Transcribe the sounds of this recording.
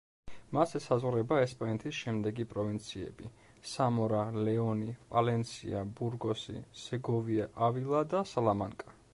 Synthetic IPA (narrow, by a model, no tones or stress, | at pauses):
masɛsazʁɾɛbaɛspʼanɛt̪ʰisʃɛmd̪ɛɡipʼɾɔvint̪sʰiɛ̰bi | samɔɾalɛɔnipʼalɛnt̪sʰḭabuɾɡɔsḭsɛɡɔviaʔavilˠad̪asalamaŋkʼa